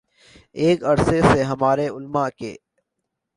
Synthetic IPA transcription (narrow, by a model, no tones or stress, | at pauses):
eːkɐɾseseɦɐmaːɾeʊlmakḛː